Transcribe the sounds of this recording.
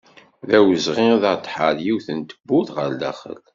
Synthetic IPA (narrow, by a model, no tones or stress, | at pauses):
ðæwəzʁiðəɾt̪ˤħəɾjiwθənt̪əbːuðʁəɾd̪æ̰χə̰l